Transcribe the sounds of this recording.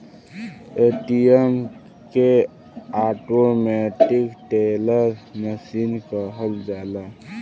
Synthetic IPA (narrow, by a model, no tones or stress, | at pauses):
eʈijem | ke | aʈomɛʈikʈeləɾməsinkəɦəld͡ʒala